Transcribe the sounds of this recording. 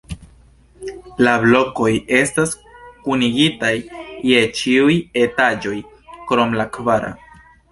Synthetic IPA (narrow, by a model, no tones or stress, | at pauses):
lablo̞ko̞je̞stas | kuniɡitajːe̞t͡ʃiuje̞tad͡ʒo̞j | kɾo̞mlakvaɾa̰